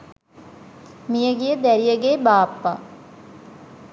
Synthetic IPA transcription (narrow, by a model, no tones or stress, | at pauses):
mijəɡijəd̪æɾijəɡeːbaːpːa̰